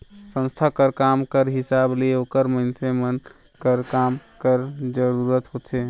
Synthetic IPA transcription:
sə̃nst̪ʰakəɾkamkəɾɦisableokəɾməɪnsemən | kəɾkamkəɾd͡ʒəɾuɾət̪ɦot͡ʃʰe

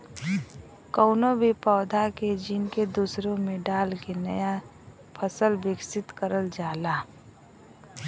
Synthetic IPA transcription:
kɔʊnobʱipɔːd̪ʱaked͡ʒɪnked̪uːsɾõmẽɖaːlkenə̰ja | pʰəsəlbɪɡsɪt̪kəɾəld͡ʒaːlaː

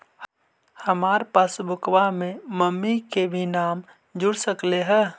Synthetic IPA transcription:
həmaːɾpaːsbʊkwamẽməmːikebʱinaːm | d͡ʒʊɽsəkleɦɛː

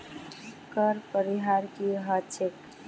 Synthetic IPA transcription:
kəɾpəɾiɦaɾkiɦat͡ʃʰek

